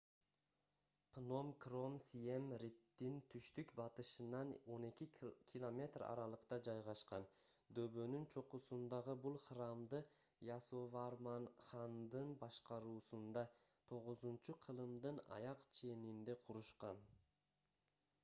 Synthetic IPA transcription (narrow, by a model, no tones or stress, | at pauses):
pno̞mkro̞msiemɾip̚t̪int̪ʰyʃt̪ykbɑt̪ɯʃɯnɑno̞ne̞kʲikʲʰilˠo̞mʲe̞t̪rɑ̰ɾɑlˠəqt̪ɑd͡ʒɑjʁɑʃqɑn | d̪øβø̞nynt͡ʃʰo̞qusund̪ɑʁɯbulˠχrɑmd̪ɯ | jɑsovɑɾmɑnχɑnd̪ɯnbɑʃqɑɾuːsund̪ɑt̪ʰo̞ʁʊzunt͡ʃuqʰɯlˠɯmd̪ɯnɑ̰jɑqt͡ʃʰe̞nind̪e̞qʰuɾuʃqɑn